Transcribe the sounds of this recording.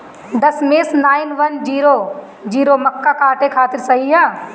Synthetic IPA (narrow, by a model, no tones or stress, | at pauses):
d̪ɐsmeːsnaːɪnʋɐnd͡ʒiːɾoː | d͡ʒiːɾomɐkːakaːʈẽkʰaːt̪ɪɾsɐɦijaː